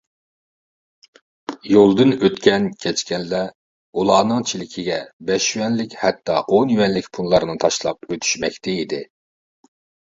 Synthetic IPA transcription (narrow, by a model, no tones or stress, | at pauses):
jolˠd̪ɨnøt̪kʲɛnkʲʰɛt͡ʃkʲɛnlːɛ | ulˠɑːnɨŋt͡ʃʰilɪkʲʰiɡʲɛbɛʃywɛnlɪkʲhɛt̪ːɑʔonjywɛnlɪkʲpʰunlˠɑɾɨnɨt̪ʰɑʃlˠɑp̚øt̪ʰy̥ʃmɛkʲt̪ɛid̪ɪ